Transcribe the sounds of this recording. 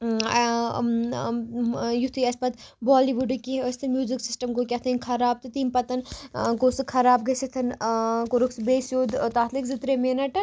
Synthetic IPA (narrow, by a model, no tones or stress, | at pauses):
jut̪ʰɨɐspɐt̪bɔːliʋuɖkiəst̪ʰɨmjuːziksisʈɐmkokʲɐt̪ʰɐnʲkʰɐɾaːb̚t̪ɨt̪iːmpɐt̪ɐnkosɨkʰɐɾaːb̚ɡɐsit̪ʰɐnkoɾuksbeːsjoːd̪t̪aːt̪ʰlikzɨt̪ɾemeːnɐʈɐ